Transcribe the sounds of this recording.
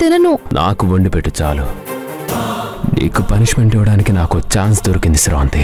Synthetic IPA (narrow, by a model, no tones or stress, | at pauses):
t̪inɐnunʔa̰ːkuʋɐɳɖipeʈːut͡ʃaːlu | nḭːkupɐniʂmeɳʈɛʋɐɽaːnikinaːkot͡ʃaːns̬d̪oɾɐkind̪isɾoːɐnd̪i